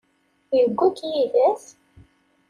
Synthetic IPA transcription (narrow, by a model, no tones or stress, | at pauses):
jəɡʷːækjiðæs